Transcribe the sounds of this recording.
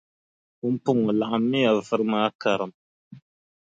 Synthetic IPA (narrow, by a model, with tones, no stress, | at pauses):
u˦m˦pu˦ŋu˨la˨ʔa˨mːi˦ja˨vɨ˦ɾmaː˦ka˨ɾɨ˨m